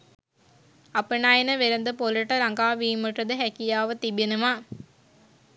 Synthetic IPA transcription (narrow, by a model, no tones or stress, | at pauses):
ɐpɯnaːjenɐʋeɾɐnd̪ɯpolɐʈːɐɾɐŋɡaːʋiːmɯʈːɐd̪ɯɦækijaːʋɐt̪ibinumaː